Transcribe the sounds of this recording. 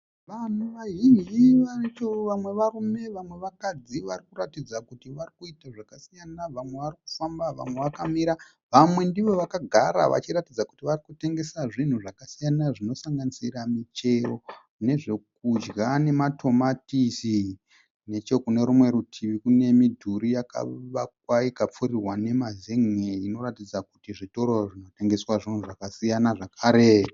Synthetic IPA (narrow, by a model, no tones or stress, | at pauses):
ʋan̤uʋaɦiniʋarit͡ʃoʋamwe̞ʋarume̞ʋamwe̞ʋakad͡ziʋarikuɾatid͡zakutiʋarikuitaʐakasijanaʋamwe̞ʋaɾiku̥fambaʋa̰mwe̞ʋakamiɾa | ʋamwe̞ndiʋo̞ʋakaɡʱaɾa̰ʋa̰t͡ʃiɾatid͡zaku̥tiʋarikute̞ŋɡe̞saʐin̤uʐakasijanaʐino̞saŋɡanisiramit͡ʃe̞ro | ne̞ʐe̞k̚ud͡ʒɡane̞matʰo̞matisi | ne̞t͡ʃo̞kune̞ɾumwe̞ɾutʰiʋikune̞midʱuɾijaka̰ʋak̚waikap͡fuɾirwane̞mazeŋeino̞ɾatid͡zakutiʐitoɾoʐino̞te̞ŋɡe̞swaʐin̤uʐakasijanaʐakʰaːɾe